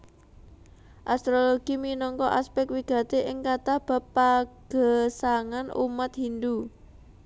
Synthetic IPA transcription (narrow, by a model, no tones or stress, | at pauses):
ʔast̪ɾoloɡ̥iminɔŋkɔʔaspɛk̪̚wiɡ̥ä̤t̪eʔɪŋkat̪ahb̥a̤pːaɡ̥ə̤saŋanʔṵmat̪hind̪u